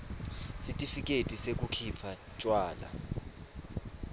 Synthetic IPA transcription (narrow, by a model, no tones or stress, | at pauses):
sitʼifik̬ʼetʼisek̬ʼukʰipʰa | t͡ʃʼwaːla̰